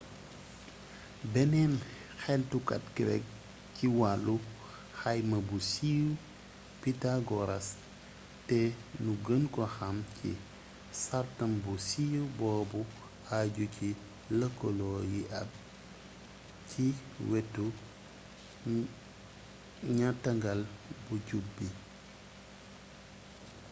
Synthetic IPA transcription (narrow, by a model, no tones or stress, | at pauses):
bɛnɛːn | xɛltukɐ̰tkiɾɛ̰k̚ | ciwalːu | xɐjmɐbusiju | pitaɡɔɾɐs | tɛnuɡənkɔxɐmcʰḭ | sartɐmbusijubɔːbu | haɟuci | ləkːɔlɔːjiʔɐ̰b̚ | cʰiwɛtːu | ɲatːɐŋɡɐlbuɟubːi